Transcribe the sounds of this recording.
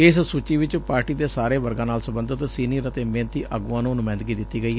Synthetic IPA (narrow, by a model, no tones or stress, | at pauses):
ɪssut͡ʃiːʋɪt͡ʃpaːɾʈiːd̪eːsaːɾeːʋəɾɡãːnaːlsəbə̃nd̪ət̪siːniːɾət̪eːmẽːnt̪iːʔaːɡuãːnũːnʊmɛ̃ːnd̪ɡiːd̪ɪt̪ːiːɡəiːɛ